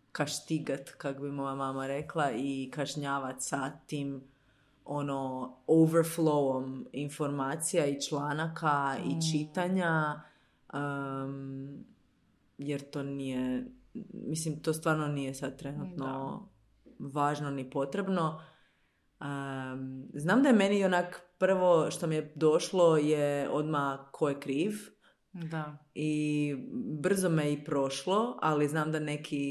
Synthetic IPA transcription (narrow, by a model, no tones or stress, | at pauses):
kaʃt̪iɡat̪kakobimojamaːmaɾe̞klˠaikaʃɲaːʋat̪sat̪im | o̞no̞oʋəɾfloominfo̞ɾmaːt̪sijait͡ʃlˠaːnakʰait͡ʃit̪aɲa | ə | jeɾt̪oːnije | mislimt̪oːst̪ʋaːɾnonijesad̪̚t̪ɾenut̪no̞ | ʋaːʒnonipo̞t̪ɾebno̞ | ə | znaːmd̪ajemenionakpr̩ʋo̞ʃt̪omijed̪o̞ʃlˠo̞jeo̞d̪makʰojekɾiːʋ | d̪ai | br̩zomeipɾo̞ʃlˠoa̰liznaːmd̪ane̞kʰi